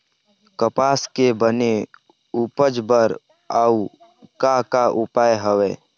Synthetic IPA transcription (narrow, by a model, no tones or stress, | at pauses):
kəpaːskebəne | upəd͡ʒbəɾ | au | kakaʔʊpaːjɦəweː